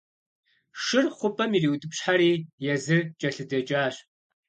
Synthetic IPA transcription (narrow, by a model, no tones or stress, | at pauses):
ʂɨrχʷʊpʰʼɐmiriːwdʼɨpɕħaɾiːjɛzɨt͡ʃʼɐɬɨdɐt͡ʃʼaːɕ